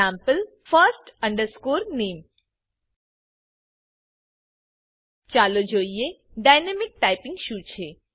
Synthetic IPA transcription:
ãːmpəl | fəɾsʈə̃ɳɖəɾskoːɾneːm | t͡ʃaːlod͡ʒoːijeɖaːɪnemɪk̚ʈaːɪpɪ̃ŋɡʃuːt͡ʃʰe

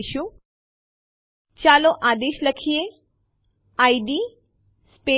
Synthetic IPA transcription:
ʃũ | t͡ɕaːloʔaːd̪eːʃlɐkʰije | aːiɖi | spe

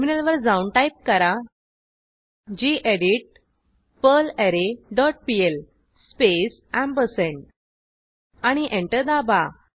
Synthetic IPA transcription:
minəlʋəɾd͡zawunʈajp̚kəɾa | d͡ʑiʔeɽiʈ̚ | pəleɾeɖɔʈ̚piel | spes | æ̃mbəsẽɳʈ̚ | aɽ̃iʔẽɳʈəɾd̪aba

